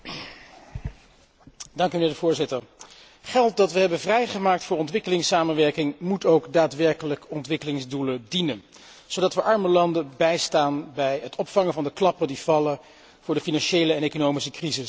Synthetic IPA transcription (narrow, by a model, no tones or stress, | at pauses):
dɑŋkymənɪːɹdəvʊːɹzɪtəɹ | χɛlˠt̚dɑtʋəɦɛbənvrɛjχəmaːk̚tfʊːɹɔntʋɪkəlɪŋsaːmənʋɛɹkɪŋmutowkdaːtʋɛɹkələkɔntʋɪkəlɪŋzdulədinən | z̥owdɑtʋəʔɑɹməlɑndəbɛjstaːnbɛjɦətɔpfɑŋəvɑndəklɑpədiv̥ɑlə | v̥ʊːɹdəfinɑnʃejləɛnejkonowmisəkrizɪs